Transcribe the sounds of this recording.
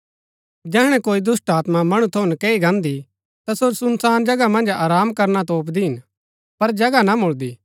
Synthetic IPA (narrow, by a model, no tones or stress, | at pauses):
d͡ʒɛːɦɽ̃ɛ̃koːid̪ʊsʈaːt̪mamɐɽ̃ut̪ʰɐunkeːiɡãːnd̪i | t̪asoɾsʊnsaːnd͡ʒɐɡamɐ̃nd͡ʒaːɾaːmkɐɾnat̪oːp̬d̪iɦɪn | pɐɾd͡ʒɐɡanamʊɭd̪iː